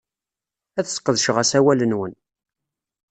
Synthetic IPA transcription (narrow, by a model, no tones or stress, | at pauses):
æθsqːəðʃʁæsæwælənwən